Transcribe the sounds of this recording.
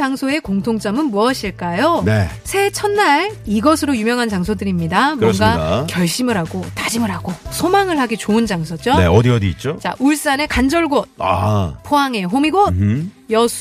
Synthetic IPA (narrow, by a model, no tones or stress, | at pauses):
t͡ɕaŋsʰoe̞koŋtʰoŋt͡ɕ͈ʌmɯnmuʌɕʰiɭk͈ajoesʰe̞t͡ɕʰʌnːaɭiɡʌsʰɯɾojumjʌŋɦant͡ɕaŋsʰodɯɾimɲidamwʌŋɡakjʌɭɕ͈imɯɾɦaɡotad͡ʑimɯɾɦaɡosʰomaŋɯɭɦaɡet͡ɕoɯnd͡ʑaŋsʰod͡ʑoneʌd̪iʌdiːt͡ɕ͈ot͡ɕa̰ʔuɭs͈ane̞kand͡ʑʌɭɡot̚a̰pʰoɦaŋe̞ɦomiɡotjʌ